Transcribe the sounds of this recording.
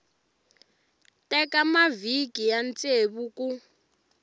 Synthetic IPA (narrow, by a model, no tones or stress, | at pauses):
tɛkamavikijant͡sʼeβuku